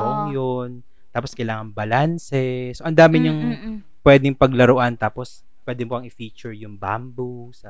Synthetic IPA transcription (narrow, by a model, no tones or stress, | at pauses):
oʔɐŋjon | t̪aːposkɐjlaːŋɐŋbɐlansɛsoʔɐnd̪aːmɪɲɐŋ | pwɛːd̪ɪŋpɐɡlɐɾoʔant̪aːpos | pwɛːd̪ɪmoʔɐŋɪfiːt͡ʃʊɹjʊŋba̰mbusɐ